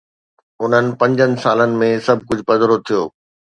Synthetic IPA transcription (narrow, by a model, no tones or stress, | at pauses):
ʊn̤ənɪ̆pɐ̃ɲd͡ʑənɪ̆saːlənɪ̆mẽsɐbʱkʊd͡ʑʱpɐzəɾʊt̪ʰijoː